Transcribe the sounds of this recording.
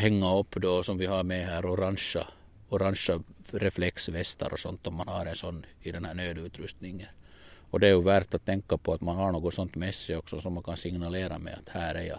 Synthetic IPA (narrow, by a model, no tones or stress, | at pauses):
hɛŋːaɔpːd̪ɔsɔmvɪhɑɾmɛɦæːɾɔɾanʂɑ | ɔɾanʂɑɾɛflɛksvɛst̪ʰɑ̰ɾʔɔsɔnt̪ɔmːanhɑɾɛnsɔnːɪd̪ɛnhæːɳøːd̪ʉːt̪ɾɵst̪nɪŋːən | ɔd̪ɛæɾjɵvæɾʈt̪at̪ʰːɛŋkːapʰɔat̪manhɑɳoːɡɔsɔnt̪mɛsːɪɔksɔsɔmːankʰɑnsɪŋnaleːɾa̰mɛ̰a̰t̪hæːɾæɾjɑ̰